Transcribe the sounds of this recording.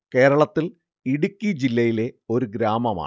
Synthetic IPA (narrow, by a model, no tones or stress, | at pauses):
ke̞ːɾɐɭɐt̪ːil | iɽukʲːid͡ʑilːɐjile̞o̞ɾuɡɾaːmɐma̰ː